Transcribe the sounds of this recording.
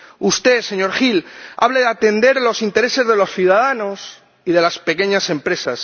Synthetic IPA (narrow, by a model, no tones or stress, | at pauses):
ust̪e̞se̞ɲo̞ɾxila̰βleðat̪e̞nd̪e̞ɾlo̞sint̪e̞ɾe̞se̞zðe̞lo̞sθjuðaðanos | iðe̞laspe̞ke̞ɲasẽ̞mpɾe̞sas